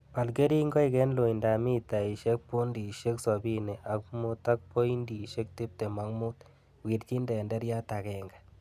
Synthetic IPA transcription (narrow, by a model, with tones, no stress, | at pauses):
pa˨lɡe˦ɾi˦ŋɡɔ˦i˨kɛ˦nlo˨i˨nda˨mi˦ta˨i˨ʃe˦k̚pu˦ndi˨ʃe˦ksɔ˨bi˦nɛ˨ʔa˨kmʊ˦t̪a˦k̚po˦i˦ndi˨ʃe˦k̚te˦p̚tɛ˨ma˨ŋmʊ˦t̪ | wi˨ɾt͡ʃi˦ndɛ˨ndɛ˦ɾja˦ta˨kɛ˨ŋɡa˨